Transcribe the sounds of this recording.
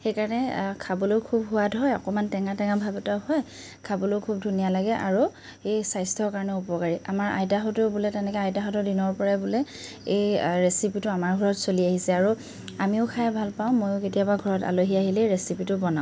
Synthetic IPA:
xejkaɹɔnɛkʰabɔlojkʰubɦʊwadʱɔɹɔ̰kɔmantɛŋatɛŋabʱabɛtaɦɔj | kʰabɔlokʰub̚dʱunijalaɡɛʔa̰ɹu | ejsajstʰɔɹkaɹɔnɛupɔkaɹiamaɹa̰jtaɦɔtʊbulɛtɛnɛkɛajtaɦɔtɔdinɔɹpɔɹabʊlɛ | ejɹesipitʊamaɹɡʱɔɹɔtsoliaɦisɛaɹu | amiʊkʰajɛbʱalpaʊ̃mojʊket̬ijabaɡʱɔɹɔta̰loɦiaɦilɛɹesipitʊbɔnã

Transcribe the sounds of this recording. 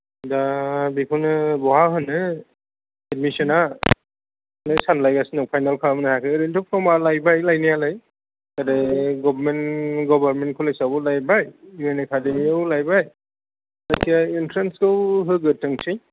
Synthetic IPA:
dabikʰɔnɯbɔɦaɦɯnɯ | edmisɔna | nɯjsanlajɡasinɔk̚pʰajnalkʰamnahakʰɯɾentɯpʰɾɔmalajbajlajnijalaj | kadeɡɔbɾmenɡɔbaɾmenkʰɯlajsabɔlajbajuenekʰadeiawlajbaj | lajsijaintʰɾenskɯwɦɯɡɯtɯŋsi

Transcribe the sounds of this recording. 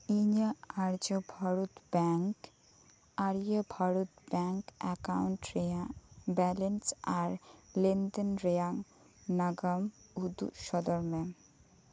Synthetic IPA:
iɲaaɾd͡ʑobʱaɾot̪bɛŋk | aɾiebʱaɾot̪bɛŋkɛkawnʈɾeabɛlensaɾlend̪enɾejaŋ | naɡamud̪ṵʃɔd̪oɾme

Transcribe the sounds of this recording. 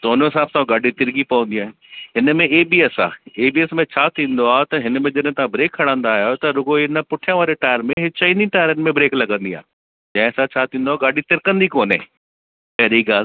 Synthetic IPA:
d̪oːnoɦɪsaːbsaːũɡaːɖit̪ɪɾɡipɐʋə̃n̆d̪ijaːɦɪ̃nɦɪnmẽeːbiːɛsa̰ːeːbiːɛsmẽt͡ɕʰaːt̪ʰĩːnd̪oaːɦt̪ɐɦɪnmẽd͡ʑɐɗ̃ɦɪ̃t̪ɐãbɾeːkʰːɐɽãːnd̪aːɦjot̪ɐɾʊɡoinəpʊʈʰijãʋaːɾeʈaːəɾmẽɦɪt͡ɕaːĩnĩʈaːɪɾənɪmẽbɾeːklɐɡə̃nd̪ia̰ː | d͡ʑɐ̃ɦɪ̃sʰat͡ɕʰaːt̪ʰĩːnd̪oaːɡaːɖit̪ɪɾkə̃nd̪ikoːnḛ̃ | pɛɦɾiɡaːl

